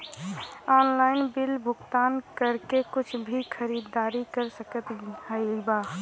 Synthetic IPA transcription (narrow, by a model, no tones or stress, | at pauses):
ɔːnlaːɪnbɪlbʱʊɡt̪aːnkəɾkekʊt͡ʃʰbʱikʰəɾid̪ːaːɾikəɾsəkət̪həiba